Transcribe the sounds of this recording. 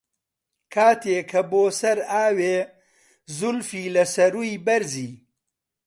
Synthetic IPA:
kʰaːt̪ʰeːkʰɐboːsɐɾaːweː | zʊlfiːlɐsɐɾuːjbɐɾziː

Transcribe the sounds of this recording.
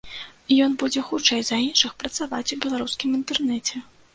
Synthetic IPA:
jɔnbud͡zʲɛxut͡ʂɛjzɐinʂɨxpɾɐt̪savat͡sʲubʲɛlˠaɾuskʲimint̪ɛrnɛt͡sʲɛ

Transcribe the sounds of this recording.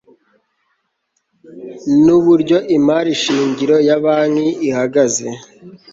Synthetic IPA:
nuβuɾɟo̞ʔimaɾiʃiːɲɟiɾo̞jaβaːŋiihaɡaze̞

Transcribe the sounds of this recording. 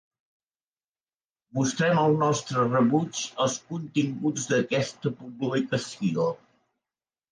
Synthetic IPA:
must̪ɾɛməlˠnɔst̪ɾərəβut͡ʃəlˠskunt̪iŋɡud͡zd̪əkɛst̪əpuβulikəsio

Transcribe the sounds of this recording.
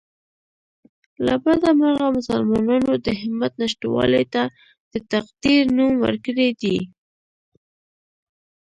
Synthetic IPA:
labad̪amaɣamʊsalmɑnɑnod̪əɦɪmat̪naʃtwɑ̰let̪a | d̪̥ət̪aqd̪iɾnumwə̰ɾkəɽed̪i

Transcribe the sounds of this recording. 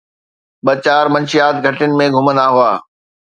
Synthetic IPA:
ɓɐt͡ɕaːɾmɐ̃nʃijaːt̪ɡʱɐʈɪʊnɪ̆mẽɡʱʊmə̃nd̪aɦʊaː

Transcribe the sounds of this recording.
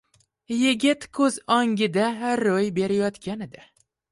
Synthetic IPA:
jɪɡʲɪt̪kʰɵzɒŋɡʲɪd̪aɦaɾːojbe̞ɾɪjɒt̪kʲʰanɪd̪a

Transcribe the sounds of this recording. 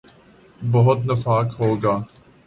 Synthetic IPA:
bɐɦʊt̪nɐfaːkɦoːɡaː

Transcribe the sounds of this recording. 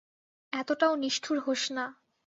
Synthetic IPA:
ɛt̪oʈaoniʃʈʰuɾɦoʃna

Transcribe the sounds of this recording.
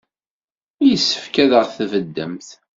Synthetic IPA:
jəsːə̥fkæðəʁθvəd̪ːəmθ

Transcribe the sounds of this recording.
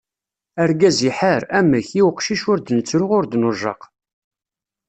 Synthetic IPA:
əɾɡæziħəɾæməçiwqʃiʃʊɾd̪nət͡sːɾʊʁʊɾd̪nʊʒɑ̰q

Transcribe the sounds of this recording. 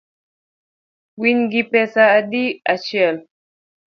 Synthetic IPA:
wwinɡipɛsaːdiat͡ʃɛl

